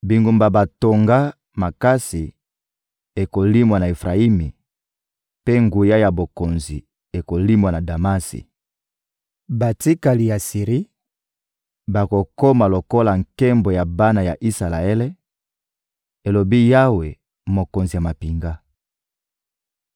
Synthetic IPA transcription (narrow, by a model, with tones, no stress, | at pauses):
bi˨ŋɡu˨mba˨ba˨to˨ŋɡa˦ | ma˨ka˦si˨ | e˨ko˨li˦mwa˨na˨e˨fʁa˨i˦mi˨ | pe˦ŋɡu˨ja˦ja˨bo˨ko˨nzi˨ | e˨ko˨li˦mwa˨na˨da˨ma˦sḭ˨ | ba˨ti˦ka˨li˨ja˨si˨ʁi˦ | ba˨ko˨ko˦ma˨lo˨ko˦la˨ŋ̩˨kɛ˦mbo˨ja˨ba˦na˨ja˨ʔi˦sa˨la˨e˦le˦ | e˨lo˨bi˦ja˦we˨ | mo˨ko˨nzi˨ja˨ma˨pi˨ŋɡa˦